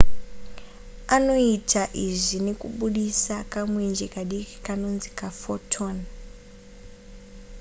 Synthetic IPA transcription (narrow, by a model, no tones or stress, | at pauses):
ano̞itʰaʔiʐinekuɓuɗisakamwend͡ʒekaɗiki̥kano̞nzi̥kafotʰon